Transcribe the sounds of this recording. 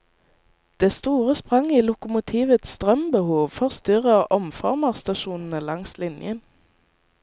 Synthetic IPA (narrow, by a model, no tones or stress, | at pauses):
d̪̥eːst̪uːʁəspʁɑŋiːlʊkʊmʊt̪ʰiːʋət̪st̪ʁœmbəhuːʋfɔʁst̪ʏʁəʔɔmfɔ̰ʁməʁst̪ɑʃuːnn̩əlɑŋslɪnjən